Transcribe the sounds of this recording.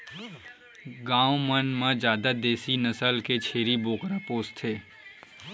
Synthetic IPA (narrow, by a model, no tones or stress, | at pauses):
ɡãːwmənmãd͡ʒjaːd̪ad̪eːsinəsəlket͡ʃʰeːɾiboːkɾapoːst̪ʰeː